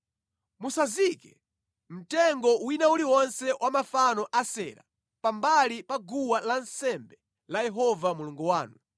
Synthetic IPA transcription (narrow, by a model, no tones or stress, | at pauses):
musazikɛ | m̩tɛŋɡɔwinauliwɔnsɛwʔamafanɔʔasɛ̰ːɾa̰ | pambalipaɡuwalansɛmbɛ | lajɛɦɔvamuluŋɡuwaːnu